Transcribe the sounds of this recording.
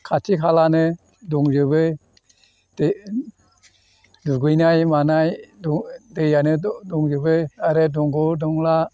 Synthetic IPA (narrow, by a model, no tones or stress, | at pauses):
kʰatʰikʰalanɯ | dɔŋzɯbɯ | dɯɡɯjnajmanajddɯjanɯdɔŋzɯbɯaɾɯdɔŋɡɔdɔŋla